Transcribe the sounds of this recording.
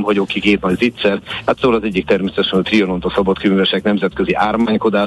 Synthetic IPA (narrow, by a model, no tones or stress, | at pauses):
mɦɒɟokikeːt̪nɒɟvit̪sɛrat̪saulɒzɛɟːikt̪ɛrmeːsɛt̪ɛʃɛnot̪riono̞nt̪ɒsɒbɒt̪kymyvɛʃɛknɛmzɛt̪køziʔaːrmaːɲko̞d̪aː